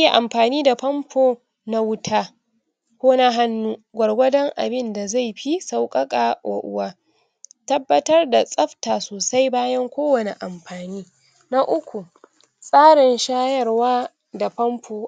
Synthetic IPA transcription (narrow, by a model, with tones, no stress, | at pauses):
je˨ʔa˨mɸaː˨niː˦da˨ɸɐ˦mpʰoː˦ | na˦wʊ˦tʰaː˦ | kʷoː˦na˦ɦa˦nːuː˦ɡʷɐ˨ɽɡʷɐ˦dɐ˦ŋʔa̰˨bɪ˦nda˨za˦˨jɸi˦sa˨wkʼɐ˦kʼaː˨ʔo̰ː˨ʔʊ̰˨waː˦ | tɐ˦bːɐ˦tɐ˦rda˨sʼɐ˦ɸtaː˨soː˨sa˦jbaː˦jɐ˦ŋkʷoː˦wɐ˨ne˨ʔa˨mɸaː˨niː˦ | na˦ʔʊ˦kʷu˨ | sʼaː˦ɽɪ˨nʃaː˦jɐ˦˨rwaː˦ | da˨ɸɐ˦mɸʰoː˨